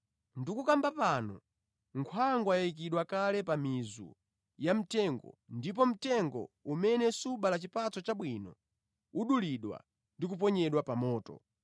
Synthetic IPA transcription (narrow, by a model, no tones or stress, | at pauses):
ndikukambapanɔ | ŋkʰwaŋɡwajaik̬iɗwakalɛpamizṵ | jam̩tɛŋɡɔ̰ndip̬ɔm̩tɛŋɡɔ̰umɛnɛsuɓalat͡ʃipat͡sɔt͡ʃaɓwinɔ | uɗuliɗwa̰ | ndik̬up̬ɔɲɛɗwapamɔːtɔ̰